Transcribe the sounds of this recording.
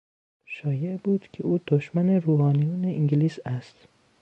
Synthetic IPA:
ʃɒːjebuːd̪̥cʲʰeuːd̪̥oʃmæneruːhɑːnijuːneʔiŋɟiliːsæst̪

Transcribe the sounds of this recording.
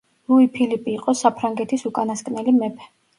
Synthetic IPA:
luipʰilipʼiːqʼɔsapʰɾaŋɡɛt̪ʰisukʼanaskʼnɛlimɛpʰɛ̥

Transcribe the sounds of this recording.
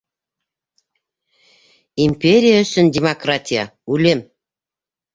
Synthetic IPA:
imʲpʲeɾʲijaə̆sɘ̆ndʲemokratʲijɑ̰ulʲem

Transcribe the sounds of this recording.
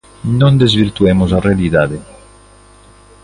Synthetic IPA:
nond̪ezviɾt̪uɛmozarealid̪aːd̪e

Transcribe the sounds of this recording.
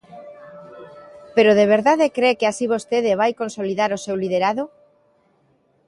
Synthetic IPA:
peɾoðeβ̞eɾðaðekɾekeasiβ̞ost̪eðeβ̞ajkonsoliðaɾosewliðeɾaðo

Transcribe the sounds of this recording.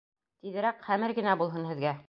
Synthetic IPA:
t̪iðɘ̆ɾækχæmɘɾɡɘ̆næbulˠɦɤnhɘ̆ðɡæ

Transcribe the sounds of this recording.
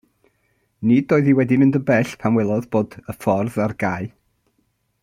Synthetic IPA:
nidoːɨðiwɛdimɪ̃ndəbɛɬpʰanwɛlˠɔðb̥oːdəfɔrðarɡaɨ

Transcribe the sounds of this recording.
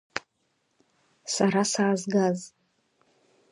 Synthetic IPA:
saɾasaʕazɡaz

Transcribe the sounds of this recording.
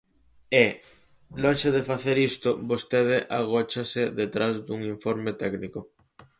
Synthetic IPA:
e | lonʃeðefaθeɾist̪obost̪eð̞ɪʔaɣ̞ot͡ʃaseðet̪ɾazd̪uŋiɱfoɾmet̪ɛkniko

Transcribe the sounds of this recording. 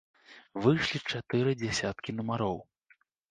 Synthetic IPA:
vɨjʂlʲit͡ʂat̪ɨɾɨd͡zʲɛsʲat̪kʲinumaɾɔw

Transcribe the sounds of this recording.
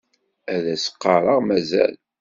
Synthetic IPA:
æðæsə̥qːɑɾˤɑʁmæzæ̰l

